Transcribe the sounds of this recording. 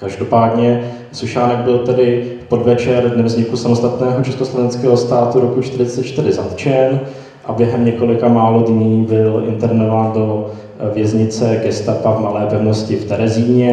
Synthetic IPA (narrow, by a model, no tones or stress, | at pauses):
kaʒdo̞paːdɲɛ | suʃaːnɛɡ̚bɪlt̪ɛdɪpo̞dvɛt͡ʃɛɾdnɛvzɲɪkusamost̪at̪nɛːɦo̞t͡ʃɛskoslovɛnskɛːɦo̞st̪aːt̪uɾokut͡ʃt̪ɪɾɪt͡sɛt̪t͡ʃt̪ɪɾɪzat̪t͡ʃɛn | ʔabjɛɦɛmɲɛko̞lɪkamaːlodɲiːbɪlʔɪ̰nt̪ɛɾvnovaːndo̞ | vjɛzɲɪt͡sɛɡɛst̪apavmalɛːpɛvno̞scɪft̪ɛɾɛziːɲɛ